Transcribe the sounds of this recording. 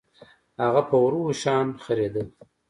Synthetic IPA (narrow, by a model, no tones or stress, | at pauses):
haɣapʰəwɾuʃɑːnxəɾed̪ə